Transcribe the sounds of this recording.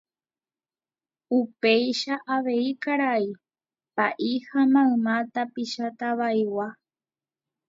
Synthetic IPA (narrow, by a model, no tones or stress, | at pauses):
upejʃaʔaʋe̞ikaɾai | paʔihamãɨ̃mãt̪apiʃat̪aβajwa